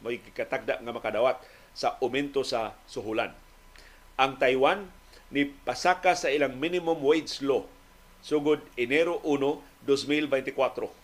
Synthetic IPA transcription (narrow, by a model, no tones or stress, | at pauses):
moɪɡɪkat̪ak̚d̪aʔŋamakad̪awat̪̚ | saʔʊmɛnt̪osasʊɦula̰n | ʔaŋt̪ajwanː | ɪpasakasaʔɪlaŋminɪmʊmwejd̪slo | suɡʊd̪̚ɪnɛɾoʔuno | d̪osmilbɛjnt̪ɪkwat̪ɾo